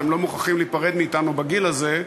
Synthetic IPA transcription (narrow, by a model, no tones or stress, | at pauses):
emlo̞muχaχimliːpaʁed̪miːtanubaɡilaze̞